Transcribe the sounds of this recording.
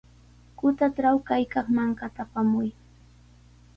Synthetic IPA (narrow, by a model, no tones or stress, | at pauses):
kʊt̪aʈ͡ʂɾawkajkɑχmaŋkat̪apamʊj